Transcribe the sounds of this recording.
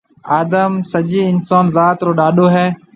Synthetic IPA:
aːd̪əmsəʄiːɪnsaːnzaːt̪ɾoːɗaːɗoːɦɛː

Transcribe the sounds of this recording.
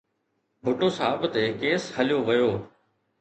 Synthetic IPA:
bʱʊʈoːsaːbt̪eːkeːshəlɪjoːʋəjoː

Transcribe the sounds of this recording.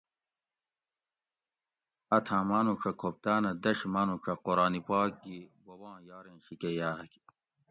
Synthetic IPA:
ɐt̪ʰãːmaːnukʰɐkʰop̚t̪aːnɐd̪ɐɕmaːnukʰɐqoɾɑːnipɑːk̚ɡibobɑ̃ːjɑːɾẽnɕikejaːɐki̥

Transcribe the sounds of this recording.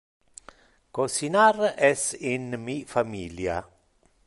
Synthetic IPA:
kosinarɛsinmifamiːlja̰

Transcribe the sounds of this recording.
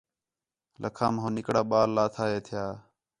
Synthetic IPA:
lʔə̰kʰaːmɦõːnɪkɽaːɓaːlːaːt̪ʰaːɦeːt̪ʰɪjaː

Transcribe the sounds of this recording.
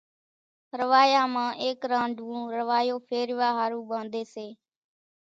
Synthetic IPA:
ɾəʋaːjãːmãːʔeːkɾãːɳɖʱʋũːɾəʋaːjoːpʰeːɾɪʋaːɦaːɾũːɓãːnd̪eːseː

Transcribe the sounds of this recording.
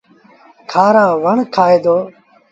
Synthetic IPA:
kʰaːɾaːʋəɳkʰaːeːd̪oː

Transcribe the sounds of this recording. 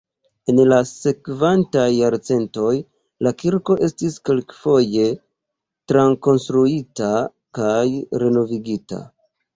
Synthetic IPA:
e̞nlase̞kvantajːaɾt͡se̞nto̞j | lakiɾko̞ʔe̞stiske̞lkfo̞je̞ | tɾaŋko̞nstɾuita | kajɾe̞no̞viɡita̰

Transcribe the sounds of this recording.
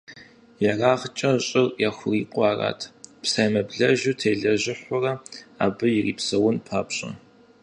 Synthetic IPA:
jɐraːʁt͡ʃʼɐɕʼɪrjaxʷʊiːqʷʼɑːra̰ːtʰpsaːjmɐbɮɐʒuːtʰeːɮɐʑɪħʷʊrɐa̰ːbɨjɪrḭːpsɐwʊnpʰaːpɕʼɐ̰

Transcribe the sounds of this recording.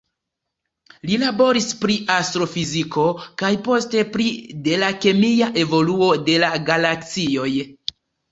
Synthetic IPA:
lilabo̞ɾispɾiʔastɾo̞fiziko̞kajpo̞ste̞pɾide̞lake̞miaʔe̞vo̞luo̞de̞laɡalakt͡sio̞j

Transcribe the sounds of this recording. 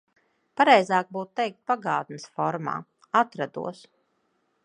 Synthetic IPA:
paɾɛjzaːk̚buːt̪t̪ɛjk̚t̪̚paɡaːt̪nɨsfɔɾma̰ː | at̪ɾad̪ṵɔs

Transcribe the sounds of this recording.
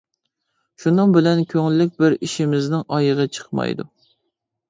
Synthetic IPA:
ʃunɨŋbɪlɛnkʲʰøŋlːɪk̚ʲbɪɾiʃimɪznɪŋɑjəʁɑt͡ʃʰə̥χmɑ̰jd̪ṵ

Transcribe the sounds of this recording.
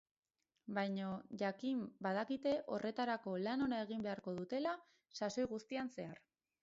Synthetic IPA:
bajɲoʝakimbað̞akit̪e̞ʔo̞rʔe̞t̪aɾako̞lano̞nae̞ɣ̞imbe̞aɾko̞ð̞ut̪e̞la | saso̞jɣust̪ianse̞aɾ

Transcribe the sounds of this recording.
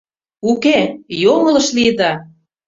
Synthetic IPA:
ukejoŋɤ̆lɤ̆ʃlid̪ɑ

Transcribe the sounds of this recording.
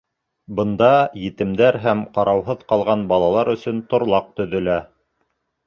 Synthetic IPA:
bɤ̆nd̪ɑjɘ̆t̪ɘ̆md̪æɾɦæmqɑɾʔɑwɦɤðqɑlˠʁɑnbɑlˠɑlˠɑɾɵ̆sɵnt̪ŏɾlˠɑq̚t̪ɵ̆ðɵ̆læ

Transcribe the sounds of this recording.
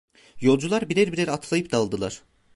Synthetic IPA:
jo̞lˠd͡ʒulˠaɾbiɾæɾbiɾʲeɾat̪ʰlˠajɯp̚d̪aːlˠd̪ɯlˠaɾ̥

